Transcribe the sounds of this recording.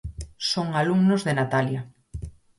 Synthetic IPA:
soŋaluŋnozðenat̪alja

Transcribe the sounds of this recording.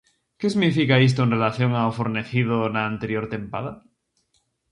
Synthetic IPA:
kesiɣnifikaes̬t̪oenrelaθjo̞ŋaofoɾne̞θið̞onaːnt̪eɾjo̞ɾt̪e̞mpa̰ða

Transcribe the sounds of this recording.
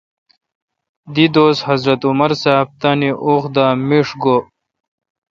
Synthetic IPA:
d̪id̪oːshɐzɾɐt̪umɐɾsaːb̚t̪aniʔoːxd̪aːmiʂɡo

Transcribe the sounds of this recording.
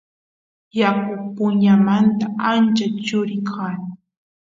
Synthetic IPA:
jakʊpʊɲɲamant̪aant͡ʃat͡ʃʊɾɪkʰaːn

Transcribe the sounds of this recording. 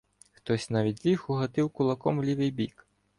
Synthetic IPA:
xt̪ɔsʲnavʲit͡sʲlʲixuɣat̪ɨwkulˠakɔmlʲivɨjbʲik

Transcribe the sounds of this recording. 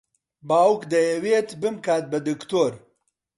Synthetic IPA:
baːwkd̪ɐjɐweːt̪bɨmkaːt̪̚bɐd̪ɨkt̪oːɾ

